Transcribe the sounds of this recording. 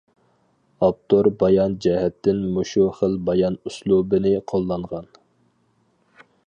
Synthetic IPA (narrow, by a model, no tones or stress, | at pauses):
ɑp̚t̪ʰoɾbɑjɑnd͡ʒɛhɛt̪ʰːɪnmoʃuχəlbɑjɑnuslˠubɨnɪqʰolˠːɑɴʁɑn